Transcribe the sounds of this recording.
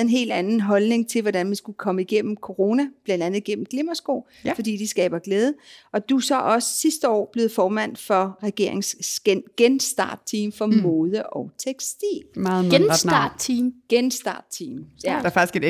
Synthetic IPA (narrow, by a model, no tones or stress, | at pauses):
ð̩ˠe̝nɦe̝̰ːld̥ænn̩ɦɒ̽lne̝ŋt͡sʰe̝lʋɒdænminsɡ̥ukʰɒ̽məiɡ̥en̰m̩kʰo̝ʁo̝ːnæb̥lænd̥ænð̩ˠiɡ̥en̰m̩ɡ̥le̝mɐsɡ̥o̰ː | fɒ̽d̥ḭːd̥isɡ̥ɛ̰ːb̥ɐɡ̥leːð̞ˠəʔɒ̽d̥usɒ̽ʔɒ̽sə̥sisd̥əɒ̰ːb̥le̝ð̩ˠfɒːmæn̰fɒ̽ʁɛɡ̥e̝̰ɐe̝ŋsɡ̥enɡ̥ensd̥ɑ̰̈ːd̥̚t͡sʰiːmfɒ̽moːð̞ˠəʔɒʊt͡sʰeɡ̥sd̥ḭːlmɑenɑ̥imɡ̥ensd̥ɑ̰̈d̥̚t͡sʰiːmdfɑɡ̥isɡ̥e